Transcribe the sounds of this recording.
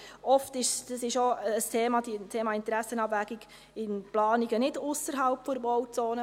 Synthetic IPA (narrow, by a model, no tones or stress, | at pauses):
ɔftɪʃd̥ɑsɪʃoəstʰeːmɑd̥itʰeːmɑɪntɾæsːənɑbʋæɡiɡ̥ | ɪnplɑːniɡənɪdʊsəɾɦɑlpfɔɾbɔwt͡soːnə